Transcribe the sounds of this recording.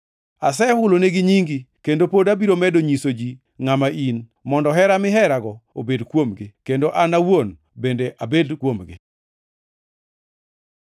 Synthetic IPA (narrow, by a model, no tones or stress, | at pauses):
asɛhʊloneɡiɲiŋɡikendopodabiɾomɛdoɲisod͡ʒi | ŋamaʔin | mɔndɔɦɛɾamɪɦɛɾaɡɔobedkwomɡɪkendoʔanawon | bendeʔʔabedkwomɡɪ̰